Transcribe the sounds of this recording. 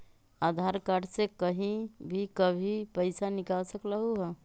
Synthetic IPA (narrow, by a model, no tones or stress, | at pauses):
ad̪ʱaɾkaɖsekəɦĩbʱikəbʱipəɪsanɪkalsəkləɦuɦɛ